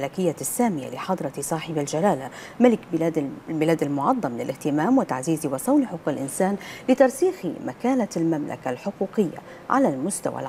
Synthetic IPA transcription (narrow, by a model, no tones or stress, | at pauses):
lakɪjːasːaːmɪja̰lɪħɑd̪ˤɾˤɑsˤɑːħɪbald͡ʒalaːla | malɪkad̪lbɪlaːd̪almʊʕɑd̪ˤːɑmlɪlʔɪht̪ɪmaːmwɪt̪a̰ʕziːzɪwɑsˤɑwnħʊqːɪlʔɪnsaːnlɪt̪ɑɾˤsiːxɪ̰makaːnalmamla̰kalħʊquːqɪjːa̰ | ʕa̰lalmʊst̪a̰wa̰l